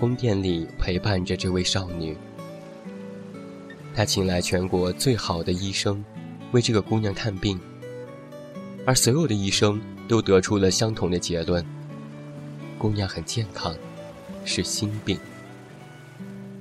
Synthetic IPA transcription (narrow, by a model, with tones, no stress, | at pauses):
kʊ˥ŋt̪jɛ˥˩nli˨˩pʰe˧˥ɪpa˥˩nʈ͡ʂə˩ʈ͡ʂɤ˥˧we˥˧ɪʂɑ˥˩ʊny˨˩˦ | t̪ʰa˥t͡ɕʰi˧˥ŋla˧˥ɪt͡ɕʰɥɛ˧˥nkwɔ˧˥t͡swe˥˩ɪxɑ˨˩ʊd̪ə˦i˥ʂɤ˥ŋ | we˥˧ɪʈ͡ʂɤ˥˩ɡə˩kʊ˥ŋnjɑ˥˧t̪ʰa˥˧npi˥˩ŋ | ə˞˧˥swɔ˧˥jo˨˩ʊd̪ə˦i˥˩ʂɤ˥ŋ | t̪o˥ʊt̪ɤ˧˥ʈ͡ʂʰu˥lə˨ɕjɑ˥ŋt̪ʰʊ˧˥ŋd̪ə˧t͡ɕjɛ˧˥lwə˥˩n | kʊ˥ŋnjɑ˥˩ŋxə˨˩nt͡ɕjɛ˥˩nkʰɑ˥ŋ | ʂɻ̩˥˩ɕi˥npi˥˩ŋ